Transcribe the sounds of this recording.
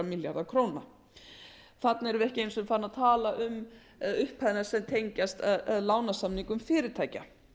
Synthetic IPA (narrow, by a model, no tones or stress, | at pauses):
amɪljaɾðakʰɾoːwna | θat̪nɛɾvʏɪɛhcɪejnsʏmfaːɾnaðt̪ʰaːlaʔʏm | ʏhphaðɪnaɾsɛmt̪ʰejɲcast̪laːwnasamniŋkʏmfɪːɾɪɾt̪ʰaːjca